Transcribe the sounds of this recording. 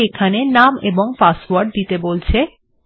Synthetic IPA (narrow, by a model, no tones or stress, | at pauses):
ekʰanenameboŋpaswaɾɖ̚d̪it̪ebolt͡ɕʰe